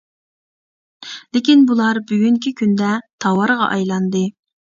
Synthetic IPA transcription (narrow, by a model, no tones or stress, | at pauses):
lɪkʲinbulˠɑɾbyɡʲyŋkʲikʲʰynd̪ɛt̪ʰɑwɑɾʁɑ̰ʔɑjlˠɑnd̪ɨ